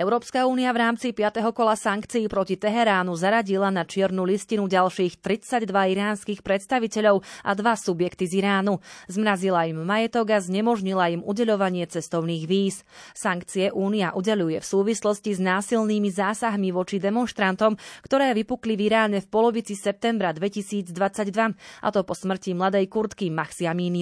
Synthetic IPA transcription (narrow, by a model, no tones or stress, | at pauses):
ɛʊɾɔːpskauːniavɾaːmt͡sipɪat̪ɛɦɔkɔlasaŋkt͡siːpɾɔcit̪ɛɦɛɾaːnuzaɾaɟilanat͡ʃɪɛɾnuliscinuɟalʃiːxt̪ɾit͡saɟd̪ʋaiɾaːnskiːxpɾɛt̪st̪aʋicɛʎɔʊʔa̰d̪ʋasubjɛkt̪iziɾaːnuzmɾazilaimːajɛt̪ɔɡazɲɛmɔʒɲilaimuɟɛʎɔʋaɲɪɛt͡sɛst̪ɔʊniːɣʋiːs | saŋkt͡siɛʔuːniaʔuɟɛʎujɛfsuːʋislɔsciznaːsilniːmizaːsaɦmiʋɔt͡ʃid̪ɛmɔnʃt̪ɾant̪ɔmkt̪ɔɾɛːʋipukliviɾaːɲɛfpɔlɔʋit͡sisɛp̚t̪ɛmbɾad̪ʋɛcisiːd͡zd̪ʋat͡saɟd̪ʋaʔa̰t̪ɔpɔsmr̩cimlad̪ɛjkuɾt̪kimaxsiamiːni